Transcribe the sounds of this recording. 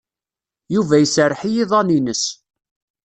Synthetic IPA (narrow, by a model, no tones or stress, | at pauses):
juvæjəsərːħijiðˤɑninəs